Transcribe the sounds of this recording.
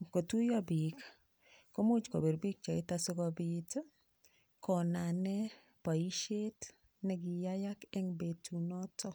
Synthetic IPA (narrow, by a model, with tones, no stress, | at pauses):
ko˨tu˦jɔ˦bi˨k | ko˦mu˦t͡ʃko̰˨be˨ɾbi˦k̚t͡ʃɔ˨ɪ˦ta˦so˦kɔ˨bit | kɔ˨na˨nɛ˦ | pa˨i˦ʃe˦t | nɛ˨ɡɪ˨jaja˦kɛ˦ŋbe˨tʰu˨nɔ˦tʰɔ˦